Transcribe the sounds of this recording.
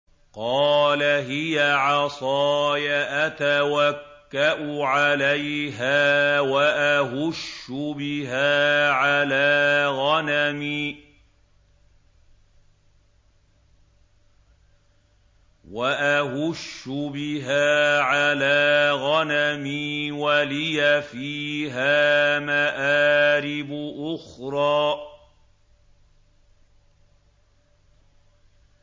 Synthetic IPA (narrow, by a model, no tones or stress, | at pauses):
qɑːlaɦɪjaʕɑsˤɑːjaʔat̪awakːaʔʊʕalajɦaːwaʔaɦʊʃːʊbɪɦaːʕalaːɣanamiː | waʔahʊʃːʊbɪɦaːʕalaːɣanamiːwalɪjafiːɦaːmaʔaːɾɪbʊʔʊxɾˤɑː